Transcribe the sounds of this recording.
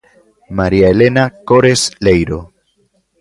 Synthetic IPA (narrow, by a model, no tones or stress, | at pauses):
maɾiaele̞nako̞ɾe̞sle̞jɾo̞